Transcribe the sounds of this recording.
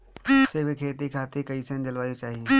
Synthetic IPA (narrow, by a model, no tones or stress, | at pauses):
sebikʰeːt̪ikʰaːt̪ekɐisẽnd͡ʒɐlaːot͡ʃaːɦie